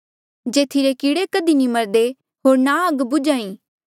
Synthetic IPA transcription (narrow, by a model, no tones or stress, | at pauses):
d͡ʒeːt̪ʰiɾekiːɽekɐd̪inĩmɐɾd̪e | ɦoːɾnaɐɡbʊd͡ʒaːĩː